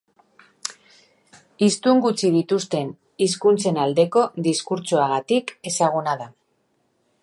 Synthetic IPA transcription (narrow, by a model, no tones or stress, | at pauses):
ist̪uŋɡut͡siðit̪ust̪e̞n | iskunt͡se̞nald̪e̞ko̞ðiskuɾt͡suaɣat̪ike̞saɣ̞unaða